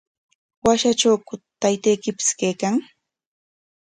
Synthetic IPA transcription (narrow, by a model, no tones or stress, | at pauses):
waʃat͡ʃawkʊt̪ajt̪ejkɪpɪ̥skajkaŋ